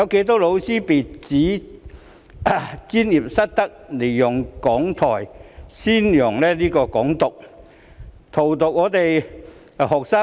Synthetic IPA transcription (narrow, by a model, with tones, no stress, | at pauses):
jɐ˨˧wke˨˧˥jt̪o˥lo˨˧wsiː˥piː˨˩t͡siː˨˥ | t͡siː˥njiː˨˩p̚sɐ˥t̚t̪ɐ˥k̚le˨˩jjʊ˨˩ŋkɔː˨˥ŋt̪ʰɔː˨˩jsiː˥njʊ˨˩ŋlɛː˥liː˥kɔː˧kɔː˨˥ŋt̪ʊ˨k̚ | t̪ʰo˨˩wt̪ʊ˨k̚ŋɔː˨˧˥t̪e˨j | hɔː˨˩k̚saː˥